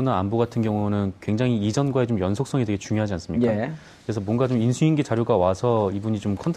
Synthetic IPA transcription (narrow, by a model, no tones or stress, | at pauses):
naːnboɡatʰɯnɡjʌŋunɯnkweŋd͡ʑaŋiid͡ʑʌnɡwae̞t͡ɕomjʌnsʰok̚s͈ʌŋedeɡe̞t͡ɕuŋjoɦad͡ʑians͈ɯmɲika | kɯɾe̞sʰʌmwʌnɡat͡ɕominsʰuinɡet͡ɕaɾjoɡawasʰʌibuɲit͡ɕomkʰʌntʰ